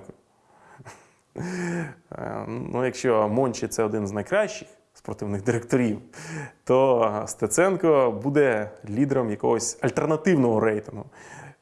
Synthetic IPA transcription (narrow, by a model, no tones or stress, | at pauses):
k | nnʔṵjɐkʃt͡ʃɔmɔnʲt͡ʃɪt̪sɛɔd̪ɪnznɐjkɾɑʃt͡ʃɪ̥x | spɾɔt̪ɪwnɪɣd̪ɪɾek̚t̪ɔɾʲiwt̪ɔst̪et̪sɛnkɔbud̪ɛlʲid̪eɾɔmjɐkɔɦɔsʲɐlʲt̪ernɐt̪ɪwnɔɦɔɾɛjt̪ɪnɦʊ